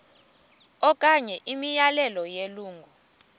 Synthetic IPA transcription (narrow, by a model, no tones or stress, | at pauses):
ɔkʼaɲɛʔimijalɛlɔjeluːŋɡʱɔ